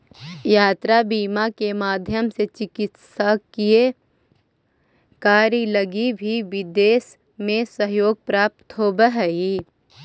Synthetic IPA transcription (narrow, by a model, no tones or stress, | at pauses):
jaːt̪ɾabiːmakemaːd̪ʱjəmset͡ʃɪkɪt̪sakie | kaːɾjiləɡibʱiʋɪd̪eːs | mẽsəɦjoːɡ̚pɾaːp̚t̪ɦoːbəɦəi